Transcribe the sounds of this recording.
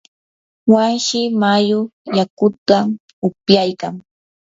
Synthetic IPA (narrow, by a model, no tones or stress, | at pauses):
wanʃɪmajʊjakʊt̪a | ʊpjajkaŋ